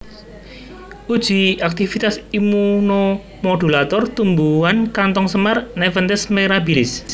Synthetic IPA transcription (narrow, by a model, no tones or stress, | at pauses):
ʔud̥ʒ̥iʔak̚t̪ifit̪asimuno | mod̪̥ulat̪ɔrt̪umbuankant̪ɔŋsəmarnɛfənt̪ɛsmeɾabilɪs